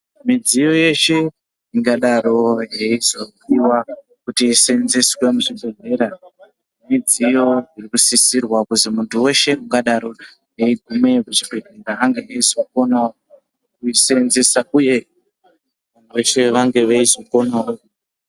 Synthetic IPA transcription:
mid͡zijo̞je̞ʃe̞ | iŋɡaɗaɾo̞ɦeizokiwa | kutiːsenzeswe̞muʐibʱe̞ɮe̞ɾa | mid͡zijo̞irikusisirwakuzimuntuwe̞ʃe̞kuŋɡaɗaɾo̞ | ɦe̞iɡʱume̞kut͡ʃibʱeɮeɾaaŋɡeeizokona | kuisenzesauje̞ | aneʃe̞ʋaŋɡe̞ʋeizoko̞nao

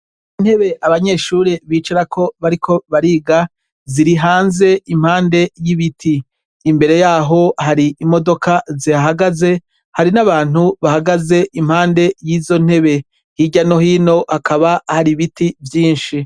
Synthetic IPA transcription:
in̥he̞βe̞ʔaβaɲe̞ːʃuːɾeβiːt͡ʃaɾakʰo̞βaɾikʰo̞βaɾiːɡa | ziɾiɦaːnze̞imhaːnde̞jiβitʰiː | mbe̞ɾe̞jaːɦo̞haɾiimo̞do̞kaziaɦaɡaze̞ | haɾinaβaːn̥uβahaɡaze̞ʔimhaːnde̞jiːzo̞n̥e̞βe̞ | hiɟano̞hiːno̞hakʰaβahaɾiβitivjiːnʃi

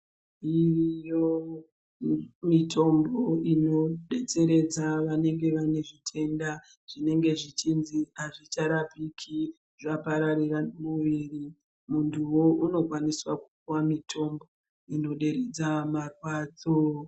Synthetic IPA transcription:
irijo | mitʰo̞mboino̞ɗe̞t͡se̞ɾe̞d͡zaʋane̞ŋɡe̞ʋane̞ʐitʰe̞nda | ʐ̥ine̞ŋɡe̞ʐit͡ʃinziaʐit͡ʃaɾapikʰi | ʐapaɾaɾiramuʋiri | muntʰuwo̞ʔuno̞kwaniswaku̥kuwamitʰo̞mbo̞ | ino̞ɗe̞ɾed͡zamarwaːd͡zo

